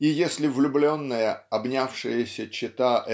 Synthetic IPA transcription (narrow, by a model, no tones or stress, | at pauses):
ijesʲlʲɪvlʲʊblʲo̞nːəjəɐbnʲafʂɨjəsʲət͡ɕɪt̪aʔ